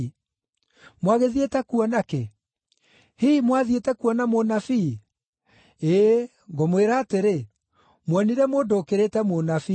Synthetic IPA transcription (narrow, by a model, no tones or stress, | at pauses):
mwaɣeðietɛkuɔnake | himwaðietɛkuɔnamonafi | e | ŋɡomweɾaːteɾe | mwɛniɾɛmoːndoːkeɾetɛmonafi